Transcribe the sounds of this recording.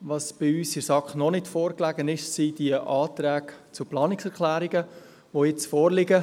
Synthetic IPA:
ʋɑsb̥ɪyːsɪɾsɑkχnɔnɪtfɔːɾklæɡənɪʃsidiəʔɑːt̪ɾæːɡt͡suplɑːnɪksɛɾklæːɾiɡə | ʋojɪt͡sfɔːɾlɪɡə

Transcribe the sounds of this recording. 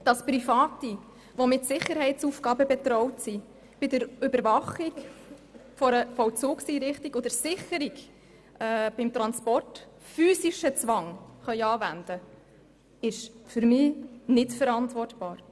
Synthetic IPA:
d̥ɑspɾifɑːti | ʋomɪtsɪχːəɾhɛɪtt͡sufɡɑːbəbɛtɾɔʊtsi | b̥ɪdəɾʏbəɾvɑχik | fɔɾəfɔwt͡suːksiːɾɪχtiɡod̪əɾsɪχəɾiɡ | ɛb̥ɪmt̪ɾɑnspɔrt | fyːsiʃət͡sʋɑŋχœʏɑːvændə | ɪʃfʏɾmɪːnɪtfəɾɑntvʋɔrtb̥ɑːɾ

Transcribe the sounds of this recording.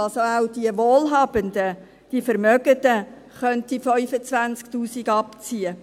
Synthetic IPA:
ɑlsoawd̥iəʋoːlɦɑːb̥əndə | d̥iəfəɾmœɡədə | χœntifœʏfət͡sʋænt͡skt̪uːsiɡɑpt͡siə

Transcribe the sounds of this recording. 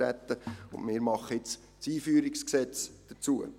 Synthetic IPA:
æ̰t̪ːəʊndmɪːɾmɑχəɪt͡s | siːfyːɾɪksksɛt͡sd̥ət͡suə̰

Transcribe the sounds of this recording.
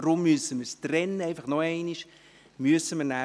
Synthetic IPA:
ɾʊmːyəsəməɾstrɛnːəɛɪfaχnɔɛɪniʃ | myəsəməɾnæ

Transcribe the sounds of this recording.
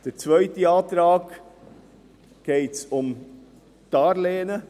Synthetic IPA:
d̥əɾt͡svœʏtiɑːtɾɑːɡ | ɡ̥ɛɪtsʊm | tɑɾleːnə

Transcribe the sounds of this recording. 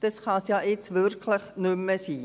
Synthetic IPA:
d̥ɑsχɑsjɑːʔɪt͡sʋʏɾkʰləχnʏmːəsiː

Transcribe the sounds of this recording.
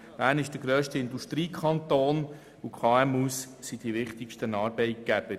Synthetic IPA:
b̥æːɾnɪʃd̥əɡɾøːʃtəɪnduʃtɾiːkʰɑnt̪oːn | ukʰɑːɛmus | sid̥iʋɪχt̪ɪkʃtənɑːɾbɛɪt̚ɡ̥æb̥ə

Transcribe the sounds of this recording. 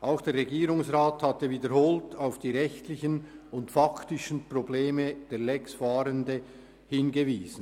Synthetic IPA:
ʔaʊxd̥eːɾʁeɡiːɾʊŋsʁaːthatəviːdəɾhoːltaʊfd̥iːɾɛçtlɪçənʊntfaktɪʃən̩probleːməd̥eːlɛksfaːɾəndə | hɪnɡeviːz̥n̩

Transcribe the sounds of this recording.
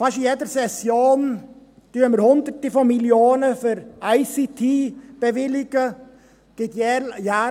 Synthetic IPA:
faʃijedəɾsɛsjoːn | d̥yəməɾhʊnd̪əɾtifɔmiljoːnəfɪɾaɪsit̪ʰiːb̥əʋɪlɪɡ̥ə | ɡ̥ɪt̪jɛjaː

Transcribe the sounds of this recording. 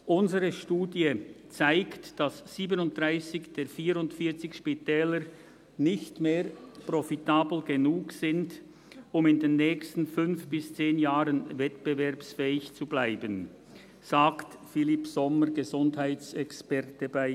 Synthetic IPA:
ʔʊnzəʁəʃtuːdjət͡saɪktd̥asːiːbənʊnt̚d̥ʁaɪsɪçd̥eːɾfiːɾʊntfiːɐt͡sɪçʃpitɛːləɾ | nɪçtmeːɾprɔfitaːbl̩ɡenuːksɪnd | ʊmɪndenːɛːçstn̩fʏnfb̥ɪst͡seːnjaːʁənvɛtb̥əvɛɾpsfɛːɪçt͡sublaɪbən | z̥aːktfɪlipsɔməɡ̥əzʊnthaɪtt͡sɛkspɛʁtəbaɪ

